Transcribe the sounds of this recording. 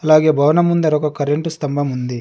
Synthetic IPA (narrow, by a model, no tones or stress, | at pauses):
ɐlaːɡe̞ːbʱɐʋɐnɐmund̪ɐɾɔkɐkɐɾeɳʈust̪ɐmbʱɐmund̪i